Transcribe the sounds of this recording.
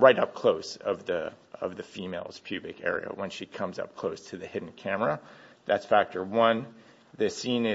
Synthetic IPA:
ɹaɪɾʌp̚kʰl̥oʊsʌvðɨʌ̰vðɨfimeɪlˠz̥pʰj̥ʉbɨkɛ̰ɹḭɨ̰wə̃nʃikʰʌ̃mzʌ̰p̚kʰl̥oʊstʰɨðɨhɪdⁿn̩kʰæmə˞ɨðætsfæk̚tʰə˞wʌ̃n | ðɨsĩnɪ

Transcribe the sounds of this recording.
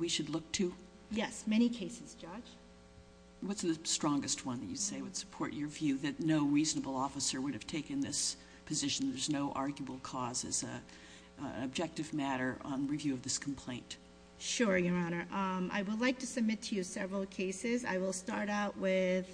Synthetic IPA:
wiʃɨdˡlʊk̚tʰʉ | jɛsmɛɾ̃ikʰeɪsɨz̥d͡ʒɑ̥d͡ʒ̥ | wʌtsðɨstɹ̥ɔ̃ŋɡɨst̚wʌ̃nðɨt͡ʃɨseɪwɨd̥sə̥pʰɔɹt͡ʃə˞vjʉðɨtⁿnoʊɹiznəbl̩ˠɔfəsə˞wʊɾɨv̥tʰeɪkɨ̃nðɪs | pʰɨzɪʃn̩ðə˞znoʊʔɑɹɡjəbl̩ˠkʰɔzɨ̰z | ɨb̚d͡ʒɛk̚tɨvmæɾə˞ʔə̃nɹivjʉʌvðɪskʰm̩pʰl̥ẽɪ̃nt | ʃʊɹjə˞ɑnə˞ʔʌ̃mʔa̰ɪwədˡlaɪk̚tʰɨsɨb̚mɪtʰɨjɨsɛvɹl̩ˠkʰeɪsɪza̰ɪwəlˠstɑɹɾaʊʔwɪð̥

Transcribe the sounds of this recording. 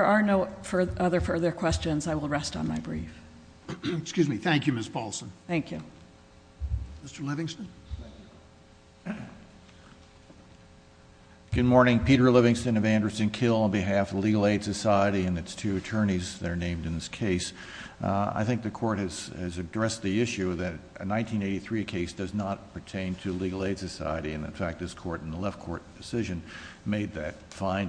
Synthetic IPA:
ə˞ə˞noʊfə˞ʔʌðə˞fɜ˞ðə˞kʰw̥ɛst͡ʃɨ̃nzaɪwəlˠɹɛstn̩maɪbɹḭf | kskjʉzmiθæ̃ŋkjʉmɪsb̥ɔlˠsə̃n̩θæ̃ŋkʰjʉ | mɪstə˞lɪvɪ̃ŋstɨ̃n | ɡ̥ʊd̚mɔɹnɪ̃ŋpʰiɾə˞lɪvɪ̃ŋstɨ̃nʌvæ̃ndɹəsɨ̃nkʰɪlˠə̃nbɨɦæfʌvliɡl̩ˠeɪd̥sɨsaɪɨɾiɨ̃nɨtstʰʉɨtʰɜ̃˞ñizðɨɾə˞nẽɪ̃mdɨ̃nðɪskʰeɪs | a̰ɪθɪ̃ŋk̚ðɨkʰɔɹt̚hɨz̥ɨzɨdɹɛsðiɪʃʉðɨɾɨ̰nãɪ̃ntʰĩneɪɾiθɹiɨkʰeɪsd̥ʌznət̚pʰə˞tʰẽɪ̃ntʰɨliɡl̩ˠeɪd̥sɨsa̰ɪɨɾiɨ̃nɨ̰̃nfæk̚t̚ðɨz̥kʰɔɹɾn̩əlɛfkʰɔ̰ɹt̚d̥ɨsɪʒɨ̃nmeɪd̪̚ðɨt̚fãɪ̃n

